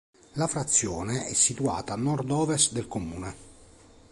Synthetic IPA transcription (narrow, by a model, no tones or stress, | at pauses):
lafɾat̪sːjɔːneɛsːit̪ua̰ːt̪aːnːɔrd̪ɔːvest̪d̪elkomuːne